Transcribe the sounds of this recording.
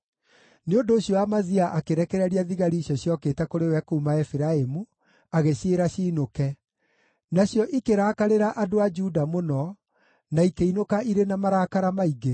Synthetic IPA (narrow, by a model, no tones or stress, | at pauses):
neondoːɕjɔwamaziaʔakeɾɛkɛɾɛɾiaðiɣaɾiːɕjɔɕjɔketɛkoɾewɛkuːmaɛfiɾaemu | aɣeɕeɾaɕiːnokɛ | naɕjɔʔikeɾaːkaɾeɾaʔadoad͡ʒudamonɔ | naikeinokaiɾenamaɾaːkaɾamaiɡe